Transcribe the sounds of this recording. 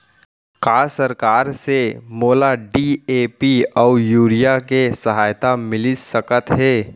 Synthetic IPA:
kaːsəɾkaːɾsemoːlaɖieːpiɔːjuːɾijakesɐɦaːjt̪amɪlisəkət̪ɦɛː

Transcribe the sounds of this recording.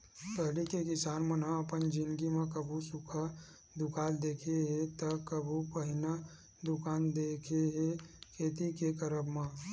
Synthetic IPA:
pəɦlikekɪsaːnmənãəpənd͡ʒɪnɡimẽkəbʱusukʰa | d̪ʊkaːld̪ekʰeɦet̪əkəbʱupəɦɪna | d̪ʊkaːnd̪ekʰeɦekʰeːt̪ikekəɾəbmã

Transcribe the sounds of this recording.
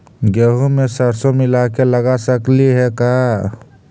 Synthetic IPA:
ɡeɦumesəɾsõmɪlakeləɡasəkliɦɛka

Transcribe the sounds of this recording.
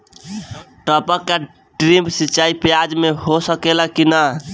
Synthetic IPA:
ʈəpəkːa | ɖɾimbsit͡ʃaipjad͡ʒmehosəkelakina

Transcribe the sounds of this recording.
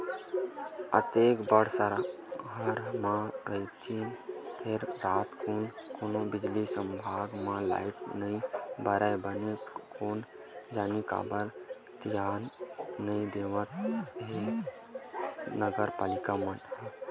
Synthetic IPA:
ə̰t̪eːkbəɽ̤saɾa | ɦəɾmãɾəit̪ʰinpʰeɾɾaːt̪konkoːnobɪd͡ʒlisə̃mbʱaːɡmãla̰ːɪpnəĩbəɾəjbənekoːn | d͡ʒaːnika̰ːbəɾ | t̪jaːnːəĩd̪eːʋə̃t̪ɦe | nəɡəɾpaːlɪkamənɦ

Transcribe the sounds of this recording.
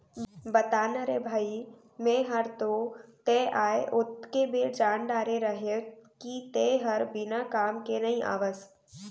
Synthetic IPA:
bət̪aːnəɾebʱaːi | mẽɦəɾt̪ot̪eʔaːeʔʊt̪kebed͡ʒaːnɖaːɾeɾəɦekit̪eɦəɾbɪnakaːmkenɐĩʔa̰ːʋəs

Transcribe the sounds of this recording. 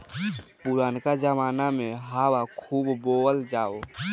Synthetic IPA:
puɾaːnkad͡ʒəmaːnameɦawakʰuːbboəld͡ʒaːo

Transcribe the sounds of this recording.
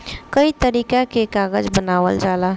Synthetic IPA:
kəit̪əɾiːkakekaːɡəd͡ʒbənaːʋəld͡ʒaːla

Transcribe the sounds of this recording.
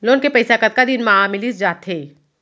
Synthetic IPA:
loːnkepɐɪsakɐt̪̚kad̪ɪnmaamɪlisd͡ʒaːt̪ʰeː

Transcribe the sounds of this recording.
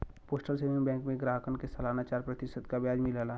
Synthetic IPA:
poːsʈəlseːnimbɛ̃ːŋkmẽɡɾaːɦkənkesɐlaːnat͡ʃaːɾpɾət̪ɪsəd̪kabjaːd͡ʒmɪlala

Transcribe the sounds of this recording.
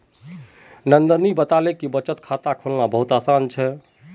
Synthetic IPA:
nənd̪əɾnibət̪alekibət͡ʃət̪kʰat̪akʰolnabəɦut̪asant͡ʃʰɛ

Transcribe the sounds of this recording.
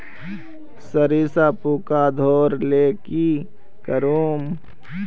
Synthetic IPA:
səɾiːsaːpuːkad̪ʱoːɾleːki | kəɾuːm

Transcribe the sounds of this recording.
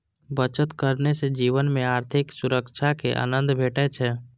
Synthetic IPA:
bət͡ʃət̪kəɾnesed͡ʒiːʋənmẽaːɾt̪ʰɪksʊɾəkʃʰakeʔa̰ːnə̃nd̪ʱbʱeːʈɛt͡ʃʰɛː

